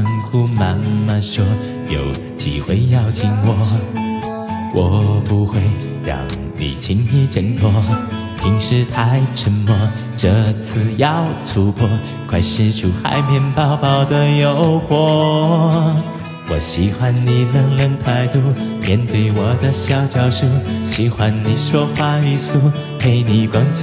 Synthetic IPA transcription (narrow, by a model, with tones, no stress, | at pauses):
nxu˧ma˧˥nma˧nʂwɔ˥ | jo˨˩ʊ | t͡ɕḭ˨˩xwe˥ɪjɑ˥˧˩ʊt͡ɕʰi˧˥ŋwɔ˨˩ | wʔɔ˨˩pu˧˥xwe˥˧ɪ | ɻɑ̰˧˩ŋ | nḭ˨˩t͡ɕʰi˧˥ŋni˧˥ʈ͡ʂə˧˥ŋt̪ʰwɔ˥ | t̪ʰi˧˥ŋʂɻ̩˥˧t̪ʰa˥ɪʈ͡ʂʰə˧˥nmɔ˧˩ | ʈ͡ʂɤ˧t͡s̩ʰ˥˧jɑ˨˧ʊt͡sʰu˧˥pʰɔ˥ | kʰwa˧˥ɪʂɻ̩˥˧ʈ͡ʂʰu˨˩xa̰˧˥ɪmjɛ˧˥npɑ˥˧ʊpɑ˩ʊd̪ə˧jo˧˥ʊxwɔ˨˧˥ | wɔ˨˩ɕi˧˥xwa˥nni˨˩nə˧˥ŋlə˧˥ŋt̪ʰa˧˥ɪt̪u˧mjɛ˧˥nt̪we˧˥˩ɪwɔ˨˩d̪ə˧ɕjɑ˥ʊt͡ɕjɑ˨˩ʊʂu˥ɕi˧˥xwa˧˩nni˨˩ʂwɔ˥fwa˧˥y˧˥su˥˩ | pʰe˧˥ɪni˨˩kwɑ˧˥ŋ